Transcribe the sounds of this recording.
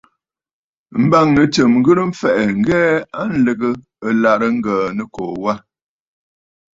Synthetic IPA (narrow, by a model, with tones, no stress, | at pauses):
m̩˦ba˦˨ŋnə˨tə˨mŋ̩˦ɡə˦ɾm̩˦fɛ˨ʔɛ˨ŋ̩˦ɡɛː˦a˦n̩˦lə˨ɡə˦ | ə˨la˨ɾə˦ŋ̩˦ɡəː˨nə˦ko˨wa˦